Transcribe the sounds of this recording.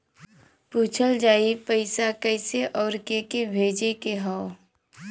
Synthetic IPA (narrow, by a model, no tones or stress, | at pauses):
puːt͡ʃʰəld͡ʒaːipəɪsakɛɪseʔɔːɾkekebʱeːd͡ʒekeɦaʊ